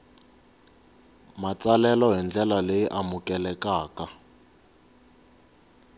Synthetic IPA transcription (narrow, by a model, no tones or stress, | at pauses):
mat͡salɛlɔɦɛnd͡ɮɛlalejiʔamukɛlɛkaːka